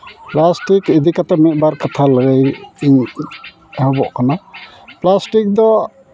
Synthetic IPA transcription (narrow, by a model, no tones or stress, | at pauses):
plasʈikid̪ikat̪amit̪̚ˀbaɾkat̪ʰaləɡejiɲ | ɦɔbɔʔkana | plasʈik̚d̪ɔ